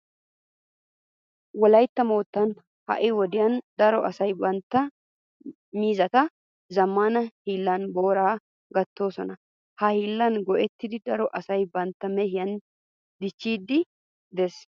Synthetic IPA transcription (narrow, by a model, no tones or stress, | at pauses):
wɔlɐjt̪ːɐmoːt̪ːɐn | hɐ̰ʔɪwɔd̪ɪjɐnd̪ɐɾɔʔɐsɐjbɐnt̪ːɐ | miːzɐt̪ɐ | zɐmːaːnɐhiːlːɐnbo̞ːɾaː | ɡɐt̪ːo̞ːsɔnɐ | hɐhiːlːɐnɡɔʔɛt̪ːɪd̪ɪd̪ɐɾɔʔɐsɐjbɐnt̪ːɐmɛhɪjɐn | d̪ɪt͡ʃːiːd̪ːɪ | d̪ɛs